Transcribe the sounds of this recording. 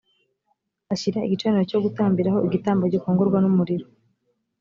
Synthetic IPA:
aɕiɾaḭɟit͡ʃaniɾoco̞ɡutaːmbiɾaho̞iɡitaːmbaɟokoːŋɡoɾɡwanumuɾiɾo

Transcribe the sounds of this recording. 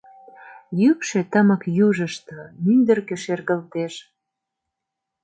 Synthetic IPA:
jykʃet̪əməkjuʒəʃt̪omynd̪ərkĕʃerɣəlt̪eʃ

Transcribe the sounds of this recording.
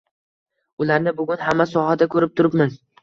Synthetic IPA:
ʊlaɾnɪbʊɡʲʊnhamːasɒhad̪akʰɵɾɪp̚t̪ʰʊɾɪpmɪz

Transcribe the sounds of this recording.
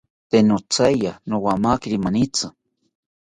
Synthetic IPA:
t̪enot͡sajanowamakiɾimanit͡sa

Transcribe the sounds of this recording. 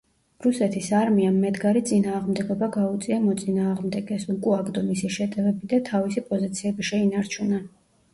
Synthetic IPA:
ɾusɛt̪ʰisaɾmiamːɛd̪ɡaɾit̪sʼinaːʁmd̪ɛɡɔbaɡaut̪sʼiamɔt̪sʼinaːʁmd̪ɛɡɛsukʼuaɡd̪ɔmisiʃɛt̪ʼɛvɛbid̪at̪ʰavisipʼɔzit̪sʰiɛbiʃɛinaɾt͡ʃʰuna

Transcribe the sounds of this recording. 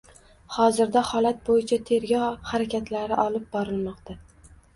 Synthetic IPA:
hɒzɪɾd̪ahɒlat̪̚bojɪt͡ʃʰat̪ʰe̞ɾɡʲɒhaɾakʲʰat̪ʰlaɾɪʔɒlɪp̚bɒɾɪlmɒqt̪ʰa

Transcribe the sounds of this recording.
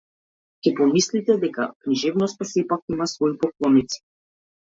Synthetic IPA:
cʲɛpɔmislit̪ɛd̪ɛka̰kniʒɛvnɔst̪asɛpakimasvɔipɔklˠɔnit̪si̥

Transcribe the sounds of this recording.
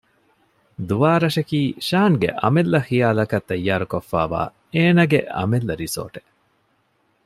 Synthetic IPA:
d̪uʋaːɾɐʃɐkiːʃaːŋɡḛʔɐ̰melːɐxijaːlɐkɐt̪ːɐjːaːɾukofːa̰ːʋa̰ː | eːnɐɡeɐ̰melːɐɾiso̰ːʈe̥

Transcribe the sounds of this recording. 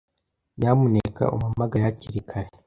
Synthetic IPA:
jamuneka̰ʔṵmumaɡajaciɾikʰaɾe

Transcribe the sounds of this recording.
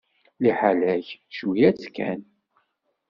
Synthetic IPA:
liħalæçʃwijæt͡skːæ̰n

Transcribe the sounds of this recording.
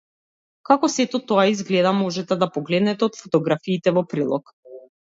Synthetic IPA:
kakɔsɛt̪ɔt̪ɔaizɡlɛd̪amɔʒɛt̪ɛd̪apɔɡlɛd̪nɛt̪ɛɔt̪fɔ̥t̪ɔɡɾafiːt̪ɛvɔpɾilˠɔ̰k

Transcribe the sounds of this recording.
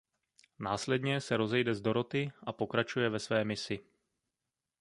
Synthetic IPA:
naːslɛdɲɛsɛɾo̞zɛjdɛzdo̞ɾo̞t̪ɪʔapo̞kɾat͡ʃujɛvɛsvɛːmɪsɪ

